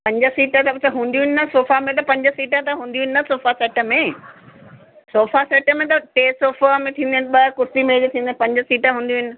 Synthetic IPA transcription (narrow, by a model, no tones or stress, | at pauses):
pɐ̃ɲd͡ʑə̆siːʈət̪ɐbt̪ʰɐɦũːnd̪jũɦɪnɪnɐsoːfamẽt̪̬ɐpɐ̃ɲd͡ʑəsiːʈət̪ɐɦũːn̆d̪ijuɦɪnɪ̆nɐsoːfasɛːʈə̆mẽ | soːfasɛːʈə̆mẽt̪̬ɐʈeːsoːfamẽt̪ʰĩːnd̪ɪnɪ̆ɓɐkʊɾsimeːd͡ʑt̪ʰĩːnd̪ənɪ̆pɐ̃ɲd͡ʑəsiːʈəɦũːnd̪jũɦɪnɪ̆